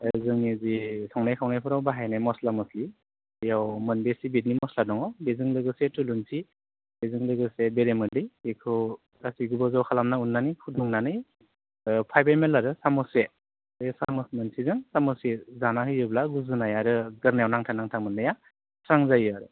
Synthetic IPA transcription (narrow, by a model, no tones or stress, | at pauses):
zɯŋnizisʰɔŋnajkʰawnajpʰɯɾawbaɦajnajmɔslamɔsli | jawmɯnbesibetnimɔsladɔŋɔbezɯŋlɯɡɯsetɯlunsʰi | bezɯŋlɯɡɯsebeɾemɯlɯjekʰɯw | ɾasiɡubɔzawkʰalamnaunːanɯjkʰuduŋnanɯj | pʰajbajmelaɾɯsamɔse | esamɔsmɯnsʰizɯŋsamɔsezanahɯjɯblaɡuzɯnajaɾɯɡɯɾnajawnaŋtʰanaŋtʰamɯndaja | sɾaŋzajɯaɾɯ